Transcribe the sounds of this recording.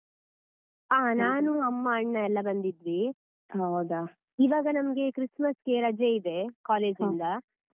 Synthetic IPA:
aːnaːnuɐmːɐɐɳːɐɛlːɐbɐnd̪id̪ɾi | ɦɐwd̪ɐ | iʋaːɡɐnɐmɐɡe̞kɾismɐske̞ɾɐd͡ʒeid̪e̞kaːle̞ːd͡ʒind̪ɐ

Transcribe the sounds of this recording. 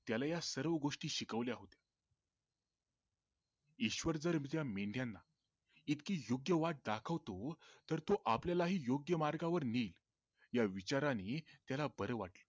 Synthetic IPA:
t̪jalajasəɾʋəɡoʂʈiːɕikəʋljaɦot̪ja | iɕʋəɾd͡zəɾmd͡ʑjameɳɖjanːa | it̪kiːjoɡjəʋaʈ̚ɖ̪akʰəʋt̪ot̪əɾt̪oʔapljalaɦiːjoɡjəmaɾɡaʋəɾniːl | jaʋit͡ɕaɾanit̪jalabəɾəʋaʈlə

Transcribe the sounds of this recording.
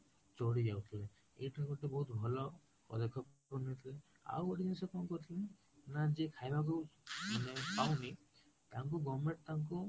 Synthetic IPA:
t͡ʃoɽid͡ʒawt̪ʰile | ḛjʈʰikuʈibɔɦut̪bʱɔlɔ | ɔ̰d̪ekʰːɔkkɔnit̪ʰile | a̰weʈid͡ʒinsɔkɔ̃kɔɾt̪ʰil | nad͡ʒekʰajbʱak̬umanepawmi | t̪aŋkuɡɔmeʈ̚t̪aŋk̬u

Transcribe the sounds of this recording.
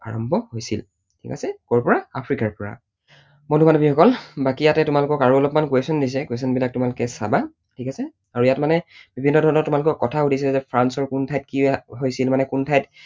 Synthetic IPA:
a̰ɹɔmbʱɔhojsil | tʰḭkasɛkɔɹpɔɹaapʰɹikaɹpɔɹa̰ | modumanɔbixɔkɔlbakijatɛtʊmalʊkɔkaɹuɔlɔpmankuwesɔndis̬ɛkwes̬ɔnbilak̚tʊmalʊkɛsa̰ba | tʰikasɛ | aɹujatmanɛbibʱinːɔdʱɔɹnɔtːʊmalʊkɔkɔtʰaudis̬iɛzɛpʰɹansɔɹkuntʰajt̚kiɦojsilmanɛkuntʰajt

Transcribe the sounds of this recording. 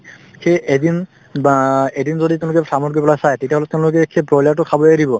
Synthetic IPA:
kʰeedin | edinzɔdit̬eʊ̃lʊkɛsʰamɔɹɡipɔlasajtetijaɦɔlɛteʊ̃lʊkɛkʰːɛpɹɔlatʊkʰabɔaɾibɔ

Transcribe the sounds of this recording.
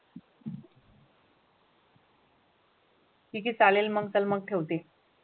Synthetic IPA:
ik̬iːt͡salelməɡt͡səlməɡ̚ʈʰewt̪e

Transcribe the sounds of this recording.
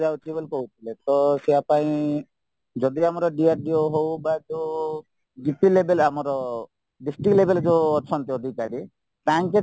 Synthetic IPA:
d͡ʒawt̪ʰibɔlkɔɦut̪ʰilet̪ɔsɛapaĩ | d͡ʒɔd̪iamɔɾɔɖiaɾɖioɦowbad͡ʒe | d͡ʒipilebelamɔɾɔ | ɖisʈiklebeld͡ʒeɔt͡ʃʰɔnt̪ɔɔd̪ʱikaɾi | t̪aŋke

